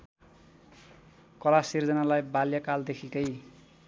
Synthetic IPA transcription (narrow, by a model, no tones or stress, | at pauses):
kʌlasird͡zʌnalajbaljakald̪ekʰikʌj